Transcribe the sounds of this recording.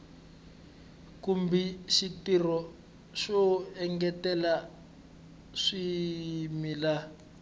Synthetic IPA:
kumbiʃitirɔ | ʃɔɛŋɡɛtɛla | ʂimila

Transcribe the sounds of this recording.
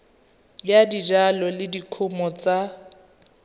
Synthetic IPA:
jjadid͡ʒalɔlɪdikʰʊmɔt͡sa

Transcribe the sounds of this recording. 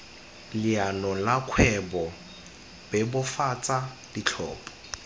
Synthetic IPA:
lɪanɔlakʰwɛbɔ | bɛbʊfat͡sʼa | dit͡ɬʰɔ̰ːpʼɔ̥

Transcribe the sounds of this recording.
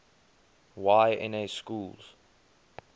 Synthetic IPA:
waɪɛ̰̃neskulz̥

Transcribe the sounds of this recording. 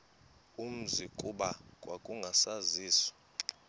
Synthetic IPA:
um̩zikʼuɓakʼwakʼuŋɡʱasaziːsɔ̥

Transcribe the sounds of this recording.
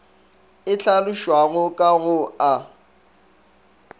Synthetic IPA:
ɪɬalʊʃwaɣʊkʼaɣʊa

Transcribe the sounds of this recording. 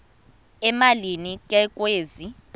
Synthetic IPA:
ɛmalinikʼɛkʼweːzi

